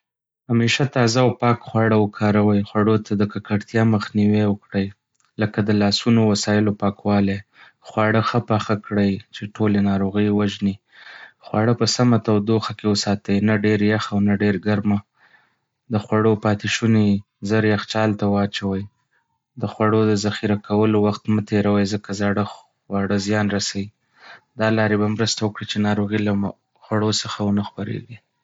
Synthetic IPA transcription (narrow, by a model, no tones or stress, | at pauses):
hameʃat̪ɑzawpɑkxwɑɽawəkʰɑɾawəjxwaɽot̪ʰad̪əkakaɽt̪jɑməxniwewəkɽəj | ləkad̪əlɑsunowasɑjɪlopɑkwɑle | xwɑɽəxəpɑxakɽəjt͡ʃeʈʰolenɑɾoɣəjwaʒni | xwɑɽəpəsamat̪awd̪oxakewəsɑt̪əjnaɖeɾjaxawnaɖeɾɡaɾma | d̪əxwaɽopɑt̪ɪʃune | zəɾjaxt͡ʃɑlt̪awɑt͡ʃawəj | d̪əxwaɽod̪əzaxiɾakʰawəlowaxt̪mət̪eɾawəjzəkazaɽə | waɽəzjɑnɾasawi | d̪ɑlɑɾebamɾəst̪awəkɽit͡ʃenɑɾoɣila | xwaɽosəxawənəxpaɾḛɡi